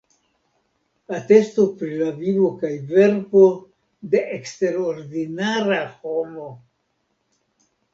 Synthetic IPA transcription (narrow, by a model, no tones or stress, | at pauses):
ate̞stopɾilavivo̞kajve̞ɾko̞ | de̞ʔekste̞ɾoɾdinaɾaho̞mo̞